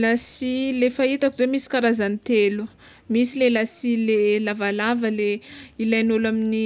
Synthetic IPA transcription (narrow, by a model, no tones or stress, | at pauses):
lasilefait̪akuzomisi̥kaɾazanit̪elu | misilelasilelavalavəleilajnulamini